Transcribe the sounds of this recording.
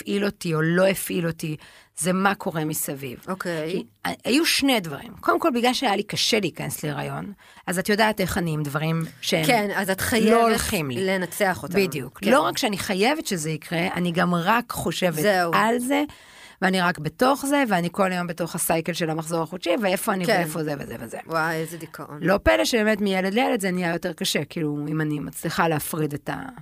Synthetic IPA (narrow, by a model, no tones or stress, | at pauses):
fʔilo̞tio̞lo̞efʔilo̞ti | ze̞makʰo̞ʁe̞misavḭvokejkiaajuʃnejdva̰ʁḭmko̞ldemko̞lbiɡlalʃeajalikɐʃeliːkɐnesleʁa̰jo̞̰n | azatjo̞daːte̞χaniimdvaʁimʃeemenazatχajloolχimlilenat͡seaχotbidijuklo̞ʁakʃeaniχaje̞vetʃezeikʁe̞a̰niɡamʁakχo̞ʃe̞vealze̞ | veaniʁakbeto̞χze̞veaniko̞lajo̞mbeto̞χasajke̞lʃe̞lamaχzo̞ʁaχotʃivee̞fo̞aniefo̞zevezevezewajezedikʰaʔonlo̞peleʃebe̞ːmetmijele̞dlejeledzenijajo̞te̞ʁkaʃe̞kiluimanimat͡sliχaleafʁideta̰